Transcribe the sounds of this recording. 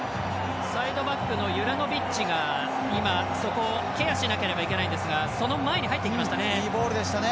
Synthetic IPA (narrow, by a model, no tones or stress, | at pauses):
said̪o̞bakːɯ̟no̞jɯ̟ɾano̞bʲit͡ɕiɡa | imaso̞ko̞ | ke̞jaɕinake̞ɾe̞baikʲe̞naĩnd̪e̞sɨɡaso̞no̞mae̞ɲ̟iɦait̪ːeikʲimaɕi̥t̪ane̞iːbo̞ːɾɯ̟d̪e̞ɕi̥t̪ane